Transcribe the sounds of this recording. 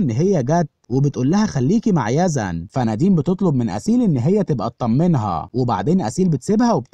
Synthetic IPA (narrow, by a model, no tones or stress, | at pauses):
nːɦejːæɡæd̪webet̪ʔuːlːæhæxælːiːkimaʕjæːzæ̰nfʔænæd̪iːmbet̪et̪ˤlob̚menʔæ̰siːlʔenːɦejːæt̪ebʔæt̪̚ˤːɑmːenɦɑ̰weba̰ʕd̪eːnʔæ̰siːlbet̪sebhæweb